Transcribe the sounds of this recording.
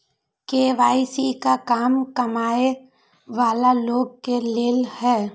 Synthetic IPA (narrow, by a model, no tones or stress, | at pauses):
keːʋaːisikakaːmkɐmaːe | ʋaːlaloːɡ̚keleːlhɛː